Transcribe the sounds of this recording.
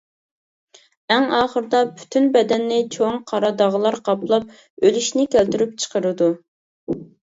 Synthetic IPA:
ɛŋɑːχəɾd̪ɑpʰy̥t̪ʰynbɛd̪ɛnːɪt͡ʃʰoŋqʰɑɾɑd̪ɑʁəlˠɑɾqʰɑplˠɑp̚ | ølyʃnɪkʲælt̪yɾyp̚t͡ʃʰə̥qʰəɾɨd̪u

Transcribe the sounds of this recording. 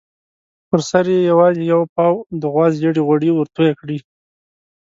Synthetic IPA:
pəɾsaɾjejawɑzejawpɑwd̪əɣwɑzjaɽiɣwaɽiwəɾt̪ujakɽi

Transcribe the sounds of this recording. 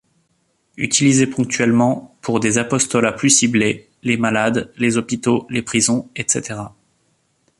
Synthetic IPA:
yt̪ʰilizepɔ̃k̚t̪ɥɛlmɑ̃pʰuʁd̪ezapɔst̪ɔlaplysible | lemalad̪lezɔpit̪olepχizɔ̃ɛt̪set̪eʁa

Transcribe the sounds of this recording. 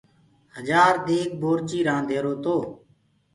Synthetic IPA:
həd͡ʒaːɾd̪eːk̚boːɾt͡ʃiːɾãːd̪ʱeːɾoːt̪oː

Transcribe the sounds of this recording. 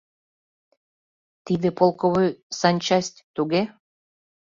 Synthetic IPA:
t̪id̪ĕpolˠkoβojsɑnʲt͡ɕɑsʲt̪ʲt̪uɣe

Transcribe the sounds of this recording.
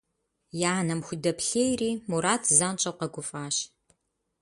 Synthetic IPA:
janɐmxʷʊdɐpɬeːjriːmuɾaːtʰzaːnt͡ʃʼɐwqɐɡʷʊfʼaːɕ

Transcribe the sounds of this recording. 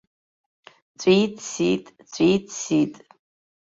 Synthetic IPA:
t͡sʷʼitʰsḭtʼt͡ɕʷʼitʰsitʼ

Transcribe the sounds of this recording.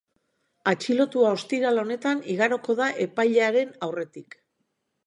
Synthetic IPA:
at͡ʃilo̞t̪uao̞st̪iɾalao̞ne̞t̪aniɣaɾo̞ko̞ðaʔe̞pajʎeaɾe̞nawre̞t̪ik

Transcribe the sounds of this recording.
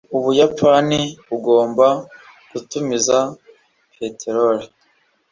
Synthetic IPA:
uβujapaniβuɡo̞ːmba | kutumiza | pʰetʰeɾoɾe

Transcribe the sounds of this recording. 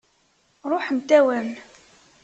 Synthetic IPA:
ɾˤoħnt̪ːæwæn

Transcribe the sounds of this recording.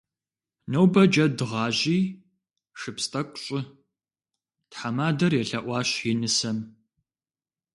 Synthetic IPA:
nɐwbɐd͡ʒɐdɨʁɑːʑiː | ʂɨpstʼɐkʷʼɕʼɪ | tħamaːdɐrjɛɬɐʔʷɑːɕjɪnɨsɐm

